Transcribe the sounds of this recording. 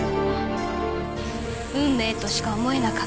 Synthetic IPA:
ɯ̟̃mːe̞ːt̪o̞ɕi̥kaomo̞e̞nakḁ

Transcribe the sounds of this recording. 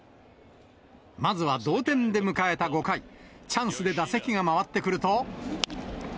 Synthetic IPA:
mazɨβad̪o̞ːt̪ẽ̞nd̪e̞mɯ̟kae̞t̪aɡo̞kai | t͡ɕãɰ̃sɨd̪e̞d̪ase̞kʲiɡamaβat̪ːe̞kɯ̟ɾɯ̟t̪o

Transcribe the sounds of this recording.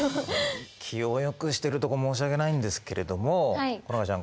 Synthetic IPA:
kʲʰiojo̞kɯ̟ɕi̥t̪e̞ɾɯ̟t̪o̞komo̞ːɕ̬iaɡe̞naĩnd̪e̞sɨ̥ke̞ɾe̞d̪o̞mo̞konakat͡ɕãŋ

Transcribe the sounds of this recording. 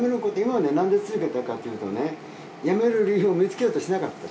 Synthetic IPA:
meɾɯkot̪oimaβnenãnd̪et͡sɨzɨke̞t̪akat̪ːejɯt̪o̞̰ne̞ | jame̞ɾɯ̟ɾʲijɯomʲit͡sɨ̥kʲeoːt̪oɕinakat̪ːa

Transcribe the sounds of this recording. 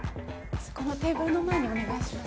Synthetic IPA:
skonot̪e̞ːɡo̞ːno̞maeɲ̟io̞neɡaisɨɾɯ

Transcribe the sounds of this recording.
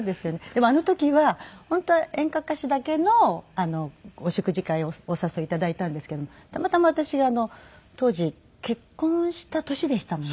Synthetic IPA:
d̪esɨjo̞ned̪̥e̞mo̞ano̞t̪o̞kʲiβahõ̞nt̪o̞ẽ̞ŋkakaɕɨd̪ake̞no̞ano̞ːɕokɯ̟ʑikaioosaso̞ːit̪ad̪ait̪ãnd̪esɨ̥ke̞d̪omot̪amat̪amaβat̪aɕiɡaːno̞t̪o̞ːʑi | ke̞kːõ̞ɕi̥t̪at̪o̞ɕid̪e̞ɕi̥t̪amo

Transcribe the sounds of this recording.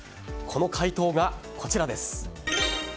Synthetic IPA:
kʰo̞no̞kʰait̪o̞ːɡakʰo̞t͡ɕiɾad̪e̞sɨ̥

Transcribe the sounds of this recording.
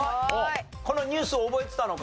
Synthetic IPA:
o | ko̞no̞ɲ̟ʲɨːsɨoːbo̞et̪e̥t̪ano̞k

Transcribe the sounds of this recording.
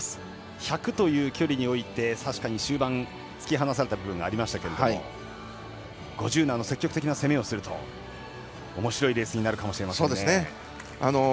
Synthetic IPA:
çakɯ̟t̪o̞jɯ̟ːkʲo̞ɾʲiɲ̟io̞it̪e̞saɕi̥kaɲ̟iɕɨːbãn | t͡sɨ̥kʲiɦanasaɾe̞t̪abɯ̟bɯ̟̃ŋɡa̰ːɾʲimaɕi̥t̪ake̞ɾe̞d̪io̰ | ɡ̥o̞ʑɨːnãnːo̞se̞kʲːo̞kɯ̟t̪ek̬ʲinase̞mẽ̞ːo̞sɨɾɯ̟t̪ʰo̞̰ | mo̞ɕiɾo̞iɾeːsɨɲinaɾɯ̟kamo̞ɕiɾe̞masoːd̪esɨee | ano̞

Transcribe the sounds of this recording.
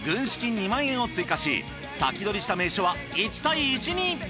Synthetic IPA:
ɡɯ̟̃ɰ̃ɕi̥kʲiɲ̟ːimãɰ̃ẽɰ̃o̞t͡sɨikaɕḭ | sa̰kʲid̪o̞ɾʲiɕi̥t̪ame̞ːɕo̞βa | it͡ɕi̥t̪aiːt͡ɕiɲ̟i

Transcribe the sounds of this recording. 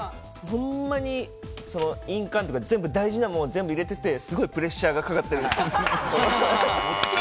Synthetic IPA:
hõ̞mːaɲ̟i | so̞no̞ĩŋkãnt̪okazẽ̞mbɯ̟d̪aiʑinamonːzẽ̞mbɯiɾe̞t̪e̞t̪e̞sɨɡo̞ipɯ̟ɾe̞ɕːaːɡakakat̪ːe̞ɾɯ

